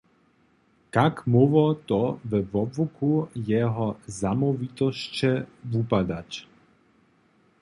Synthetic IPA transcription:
kakmɔvɔt̪ɔvɛvɔbvukujɛɦɔzamɔvit̪ɔʃt͡ɕɛvupad̪ac

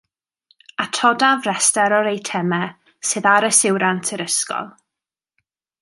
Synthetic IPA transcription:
atʰɔdavrɛstɛɾɔɾejtʰɛmɛ | sɨːðaɾəsɪwɾantʰɪɾəskɔ̰lˠ

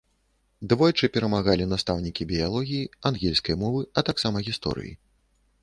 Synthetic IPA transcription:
d̪vɔjt͡ʂɨpʲɛɾɐmaɣalʲinast̪awnʲikʲibʲijalˠɔɣʲijianɣʲɛlʲskɐjmɔvɨɐt̪aksamɐɣʲist̪ɔ̰ɾɨ̰jḭ

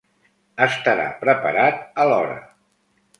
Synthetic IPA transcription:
əst̪əɾa̰pɾəpəɾat̪̚əlɔɾə̰

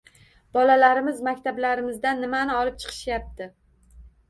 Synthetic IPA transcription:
b̥ɒlalaɾɪmɪzmakʲt̪ʰablaɾɪmɪzd̪anːɪmanɪɒlɪp̚t͡ʃʰɨ̥qʰɨ̥ʃjap̚t̪ɪ

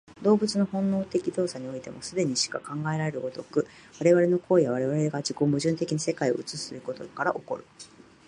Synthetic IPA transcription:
d̪o̞ːbɯ̟t͡sɨno̞hõ̞nːo̞ːt̪e̞kʲid̪o̞ːsaɲ̟io̞it̪e̞mo̞sɨd̪e̞ɲ̟iɕi̥kakãŋɡae̞ɾaɾe̞ɾɯ̟ot̪o̞kɯ̟ | βaɾe̞βaɾe̞no̞kʰo̞ːijaβ̞aɾe̞βaɾeɡad͡ʑikoːmɯ̟ʑɨ̃nt̪e̞kʲinase̞kaio̞̰ɯ̟t͡sɨsɨɾɯ̟ko̞t̪o̞kaɾa̰ʔo̞ko̞̰ɾɯ̟

